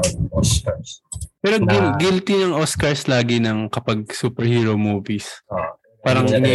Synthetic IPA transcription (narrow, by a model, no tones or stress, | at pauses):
oskspɛːɾoɡɪɡɪlt̪inɐŋʔoskɐɹslaːɡɪnɐŋkɐpɐɡ̚suːpɛɹhiːɹomuːvis | paːɾɐŋnɐ